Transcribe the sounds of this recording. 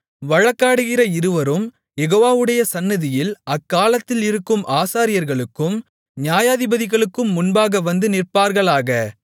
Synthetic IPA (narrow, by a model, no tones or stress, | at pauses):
ʋɐɻɐkːaːɽɯɣɪrɐɪɾɯʋɐɾɯm | jɛɣoːʋaːʋɯɽɐjɐsɐnːɐðɪjɪlɐkːaːlɐt̪ːɪlɪɾɯkːɯmʔaːsaːɾɪjɐɾɣɐɭɯkːɯm | njaːjaːðɪbɐðɪɣɐɭɯkːɯmːʊnbaːɣɐʋɐnd̪ɯnɪrpaːɾɣɐɭaːɣɐ